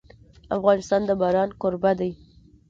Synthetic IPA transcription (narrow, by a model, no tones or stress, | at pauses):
afɣɑnɪst̪ɑnd̪əbɑɾɑnkʊɾbad̪aj